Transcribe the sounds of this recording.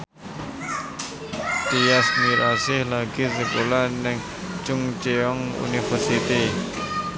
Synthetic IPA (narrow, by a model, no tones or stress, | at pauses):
t̪iasmiɾasɪhlaɡizebulanɪŋ | t͡ʃʊŋt͡ʃeɔŋṵnifərsit̪i